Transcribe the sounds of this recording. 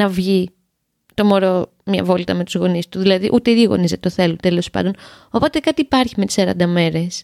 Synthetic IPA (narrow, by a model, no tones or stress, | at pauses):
nɐvʝi | t̪o̞mo̞ɾo | mɲɐ̰vo̞lit̪ɐme̞t̪uzɣo̞nist̪uðilɐðḭʔut̪eiðiɣo̞̰nizɐt̪t̪oθe̞lut̪e̞lo̞spɐ̰nd̪ono̞po̞t̪ekɐt̪iːpɐɾçime̞t̪isɐɾɐ̰nd̪ɐme̞ɾe̞s